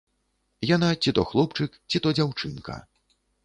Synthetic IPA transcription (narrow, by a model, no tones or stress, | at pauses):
janat͡sʲit̪ɔxlˠɔpt͡ʂɨkt͡sʲit̪ɔd͡zʲawt͡ʂɨnkɐ̰